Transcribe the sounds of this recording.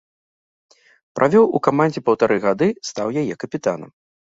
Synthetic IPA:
pɾʔavʲɔwukamanʲd͡zʲɛpɐwt̪aɾʔɨɣad̪ɨst̪awjajɛkɐpʲit̪a̰nɐ̰m

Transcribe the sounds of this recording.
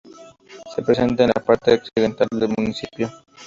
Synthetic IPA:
sepɾesent̪aenlapaɾt̪eoksiðent̪ald̪elmunisipjo

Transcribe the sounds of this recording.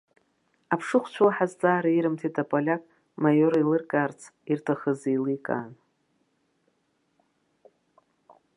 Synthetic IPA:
apʰʂɨχʷt͡ʃʷʰlaħazd͡zʼaːɾaiɾɨmtʰitʰapʼalʲakʼ | majoɾilɨrkʼaːrt͡sʰirtʰaχəzilikʼa̰n

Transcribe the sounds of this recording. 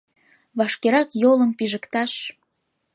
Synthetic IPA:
βɑʃkeɾɑkjoləmpiʒəkt̪ɑʃ

